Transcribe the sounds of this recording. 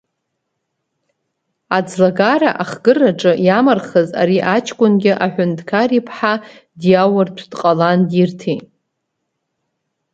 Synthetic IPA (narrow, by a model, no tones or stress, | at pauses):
ad͡zlaɡaɾa̰ʔaχɡɨraʈ͡ʂʼɨjamarχəza̰ɾiʔat͡ʃʰkʷʼʊnɡʲɪʔaħʷʊndʰkʰaripʰħa | djawartʷʰdqʼalandirtʰi